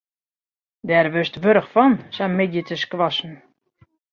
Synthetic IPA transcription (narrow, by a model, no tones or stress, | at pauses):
dɛrʋøstʋøɾəxfɔnsɛmɪdjətʰəskʋɔsn̩